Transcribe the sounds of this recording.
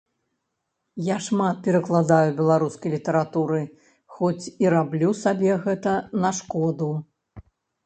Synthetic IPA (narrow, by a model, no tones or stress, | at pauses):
jaʂmat̪̚pʲɛɾɐklˠad̪ajubʲɛlˠaɾuskɐjlʲit̪ɐɾat̪uɾɨ | xɔt͡sʲiɾablʲusabʲɛɣɛt̪ɐnɐʂkɔd̪u